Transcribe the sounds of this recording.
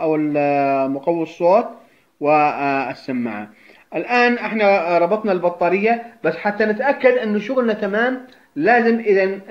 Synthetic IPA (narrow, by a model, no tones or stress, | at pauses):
ʔawɪlmʊqɑwːsˤːoːt̪ˤ | wɪsːamːa̰ʕa̰ | ʔɪlʔaːnʔɪħnaɾˤɑbɑt̪ˤnɑlbɑt̪ˤːɑːɾɪjːabasːħat̪ːanɪt̪ʔakːad̪ʔɪnːʊʃʊɣlnat̪amaːm | laːzɪmʔɪðan